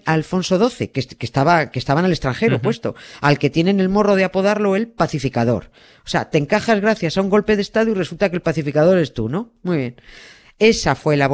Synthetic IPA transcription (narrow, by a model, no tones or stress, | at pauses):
aːlfo̞nso̞ðo̞θe̞kekest̪aβakest̪aβanalest̪ɾaŋxe̞ɾopwe̞st̪o̞̰alke̞t̪je̞ne̞ne̞lmo̞ro̞ð̞eapo̞ðaɾlo̞e̞lpaθifikaðo̞̰ɾ | osea̰t̪e̞ŋkaxazɣ̞ɾaθjasauŋɡo̞lpe̞ðest̪aðoire̞sult̪ake̞lpaθifikaðo̞ɾest̪unõ̞mwuijβje̞n | e̞safwe̞laβ